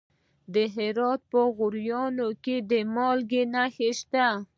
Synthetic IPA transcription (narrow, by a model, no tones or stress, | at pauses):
d̪əɦɪɾɑt̪̚pəɣʊɾjɑnoked̪əmɑlɡenaxeʃt̪a